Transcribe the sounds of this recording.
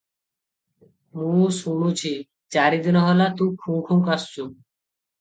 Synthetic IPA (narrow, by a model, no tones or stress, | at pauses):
mũsunut͡ɕʰi | t͡ɕaɾid̪inɔɦɔlat̪ũkʰːũkʰumkast͡ɕʰu